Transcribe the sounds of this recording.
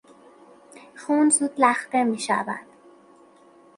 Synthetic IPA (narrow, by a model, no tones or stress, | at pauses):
xuːnzuːd̪læxt̪emiːʃæ̰væ̰d̪̥